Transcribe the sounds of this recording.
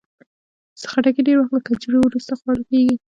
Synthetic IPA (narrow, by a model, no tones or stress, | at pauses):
sxaʈakeɖeɾwaxt̪̚lakad͡ʒɾowɾust̪axwalokeɡi